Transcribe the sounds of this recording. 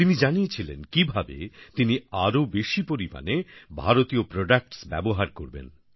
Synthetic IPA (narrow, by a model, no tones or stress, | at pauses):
t̪inid͡ʑanijet͡ɕʰilḛnkibʱabḛt̪iniaɾobeʃipoɾima̰nebʱaɾot̪iopɾoɖak̚ʈsbɛ̰boɦaɾkoɾbḛn